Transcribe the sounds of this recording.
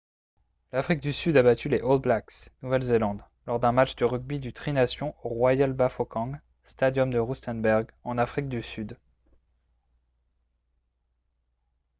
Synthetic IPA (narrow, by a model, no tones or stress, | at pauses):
lafχik̚d̪ysyd̪abat̪ʰyleʔold̪blaksnuvɛlzelɑ̃d̪ | lɔʁd̪ɛ̃mat͡ʃd̪əʁyɡ̚bid̪yt̪χinasjɔ̃oʁwajalbafɔkɑ̃ɡ | st̪ad̪jɔmd̪əʁust̪ɛ̃nbɛʁɡɑ̃nafχik̚d̪ysyd̪